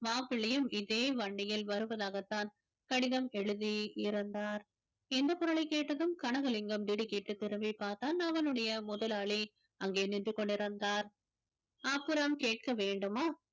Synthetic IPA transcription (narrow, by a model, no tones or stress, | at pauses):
maːpɪɭɐjɯmɪðeːʋɐɳɖɪjɪlʋɐɾɯʋɐðaːɣɐt̪ːaːn | kɐɽɪðɐmɛɻɯðiɪɾɯnd̪aːɾ | ɪnd̪ɐpːɔɾɐɭɐɪkːeːʈːɐðɯmkɐɳɐɣɐlɪŋɡɐmd̪ɪɽɯkɪʈːɯt̪ːɪɾɯmbipːaːɾt̪aːnɐʋɐnɯɽɐjɐmʊðɐlaːɭi | ɐŋɡeːnɪndrɯkːɔɳɖɪɾɯnd̪aːɾ | ɐpːɯɾɐmkeːʈ̚kɐʋeːɳɖɯmaː